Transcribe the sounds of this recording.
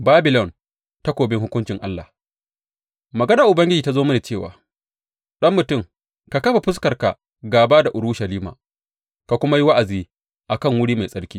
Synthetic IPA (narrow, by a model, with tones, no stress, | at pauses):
baː˦bɪ˨lɔ˨n | ta˦kʷoː˨bɪ˦ŋhʊ˦kʷʊ˦nt͡ʃɪ˨ŋʔa˦lːa̰˨ | mɐ˨ɡɐ˦na˨ʔʊ˨bɐ˦ŋɡʲɪ˦d͡ʒiː˨ta˦zoː˦mɐ˦neː˨t͡ʃeː˦˨wa̰ː˨ | ɗɐ˦mːʊ˨tʊ˦˨ŋ | ka˨kɐ˦ɸa˨ɸɪ˦s̬kɐ˨rka˨ | ɡaː˨baː˦da˨ʔʊ˨ɽʊ˦ʃɐ˨liː˦ma̰˨ | ka˨kʷʊ˦ma˦ji˦wa˦ʔa˨ziː˦ | ʔa˨kɐ˦˨ŋwʊ˦ɽiː˦ma˨jsʼɐ˦ɽkʲiː˦